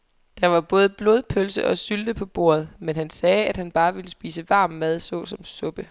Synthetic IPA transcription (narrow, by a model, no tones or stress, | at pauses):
d̥ɑ̈ʋɑ̈b̥ɔ̽ːð̞ˠəb̥lo̝ðˠpʰølsəʔɒ̽syld̥əpʰɒ̽b̥o̝̰ːɐ̰ð̞̩ˠmenɦænsɛːæd̥hænb̥ɑ̈ːʋe̝ləsb̥ḭːsəʋɑ̈ːmːæð̞ˠsɔ̰̽ːsɒ̽msɔ̽b̥ə